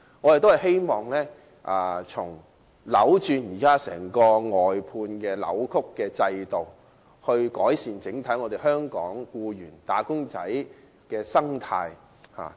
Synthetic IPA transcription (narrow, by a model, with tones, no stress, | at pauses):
ŋɔː˨˧je˨t̪o˥whjɦe˥jmɔː˨ŋlɛː˥ | ʔaː˨˩t͡sʰʊ˨˩ŋ | lɐ̰˨˥wt͡ʃyː˧njiː˨˩kaː˥sɛ̰ː˨˩ŋkɔː˧ŋɔː˨jpʰuː˧nkɛː˧lɐ̰˨˥wkʰʊ˥kːɛː˧t͡sɐ˧jt̪o˨˩w | hɵ˧ɥkɔː˨˥jsiː˨nt͡sɪ˨˥ŋt̪ʰɐ˨˥jŋɔː˨˧te˨˩ɦœː˥ŋkɔ̰ː˨˥ŋkuː˧jyː˨˩nt̪aː˨˥kʊ˥ŋt͡sɐ̰˨˥j | kɛː˧sɐ˥ŋt̪ʰaː˧j | ha̰ː˨˩